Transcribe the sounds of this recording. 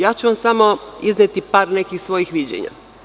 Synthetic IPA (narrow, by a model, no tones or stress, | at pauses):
jaːt͡ɕuʋamsamoiznet̪ipaːɾne̞kixsʋo̞jixʋid͡ʑḛɲa̰